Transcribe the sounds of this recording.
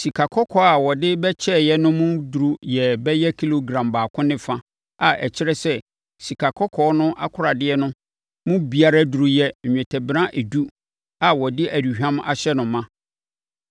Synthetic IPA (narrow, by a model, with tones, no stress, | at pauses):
si˨kʰa˨kʰɔ˦kʰɔ˦a˨wɔ˨dɪ˦bɛ˦t͡ɕʰɛ˦˨jɛ˦nʊ̃˦mʊ̃˦du˨ɾu˦jɛ˨bɛ˦jɛ˦kʰi˦lo˨ɡɾã˨mbaː˨kʰʊ̃˦nɪ̃˦fã˦ | a˨ʔɛ̰˨t͡ɕʰɪ˦ɾɛ˦sɛ˦ | si˨kʰa˨kʰɔ˦kʰɔ˦nʊ̃˦ʔa˦kʰʊ˦ɾa˨dɪ˦ɛ˦nʊ̃˦ | mʊ̃˦bi˨a˨ɾa˦du˨ɾu˨jɛ˨ɲᶣɛ̃˨tʰɛ˨bɪɾã˦ʔe˨du˦ | a˨wɔ˨dɪ˦ʔæ˨du˨hᶣã˦ma̰˨ɕɛ˦nʊ̃˨mːã˦